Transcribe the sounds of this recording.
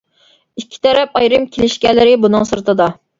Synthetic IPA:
ikʲʰːi̥t̪ʰɛɾɛpɑjɾɨmkʲʰelɪʃkʲɛlːɪɾɪbunɨŋsɨɾt̪ɨd̪ɑ

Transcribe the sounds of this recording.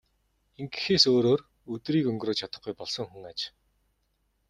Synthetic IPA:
eŋɡɘ̆xeːsoːɾoːr | ɵt̪riːkɵŋɡroːt͡ɕʰat̪ə̆χɡujpɔɮsɞ̆ŋxuŋat͡ɕ

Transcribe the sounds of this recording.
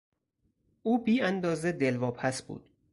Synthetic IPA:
ʔuːbiːænd̪ɒːzed̪elvɒːpʰæsb̥ṵːd̪̥̚

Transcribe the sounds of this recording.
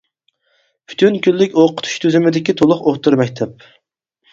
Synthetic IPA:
pʰy̥t̪ʰynkʲylːɪkʲoqʰʊ̥t̪ʰu̥ʃt̪ʰyzymɪd̪ɪkʲit̪ʰolˠʊχoχt̪ɨɾmɛk̚ʲt̪ʰɛp̚

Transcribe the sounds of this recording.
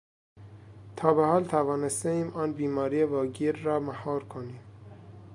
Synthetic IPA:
t̪ʰɒːbehɒːlt̪ʰævɒːnest̪eiːmʔɒːnbiːmɑːɾijevɑːɡiːɾːɒːmæhɒːɾkʰoniːm

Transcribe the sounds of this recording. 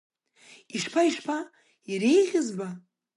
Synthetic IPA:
iʃpʰaiʃpʰa | iɾejʁʲɪzba

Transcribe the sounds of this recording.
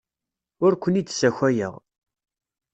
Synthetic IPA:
ʊɾkʷənit͡s̪ːsæçʷæjə̰ʁ

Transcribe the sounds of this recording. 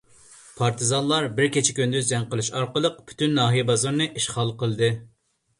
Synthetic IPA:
pʰɑɾt̪ʰɨzɑnlˠɑɾbɪɾkʲet͡ʃʰikʲynd̪yzd͡ʒɛŋqəlˠuʃɑɾqəlˠəq̚pʰy̥t̪ʰynːɑːɦijbɑzɑɾnɨʔiʃχɑlˠqəlˠɨd̪ɨ

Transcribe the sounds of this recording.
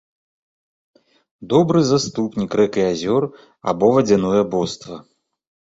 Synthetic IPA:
d̪ɔbɾɨzast̪upnʲikɾɛkɨazʲɔr | a̰bɔvɐd͡zʲɛnɔjɐbɔst̪vɐ

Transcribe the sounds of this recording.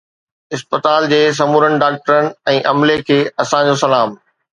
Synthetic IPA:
ɪspət̪aːld͡ʑeːs̬ɐmuːɾənɪ̆ɖaːk̚ʈəɾənɪ̆ɛ̃ːʔɐmlekʰeːɐsãd͡ʑosɐlaːm

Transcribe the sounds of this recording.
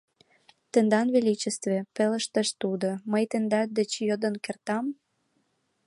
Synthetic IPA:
t̪ĕnd̪ɑnvelit͡ɕĕst̪vĕpelə̆ʃt̪əʃt̪ud̪oməjt̪end̪ɑd̪ĕt͡ɕjod̪ə̆nkert̪ɑm

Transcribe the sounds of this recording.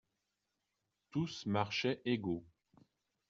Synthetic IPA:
t̪usmaʁʃɛʔeɡo

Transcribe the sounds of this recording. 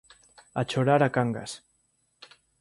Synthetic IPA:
at͡ʃoɾaɾakaŋɡa̰s

